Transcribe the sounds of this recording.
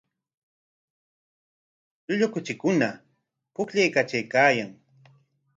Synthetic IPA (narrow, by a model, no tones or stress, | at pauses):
ʎʊʎʊkʊt͡ʃɪkʊna | pʊkʎejkat͡ʃajkaːjaŋ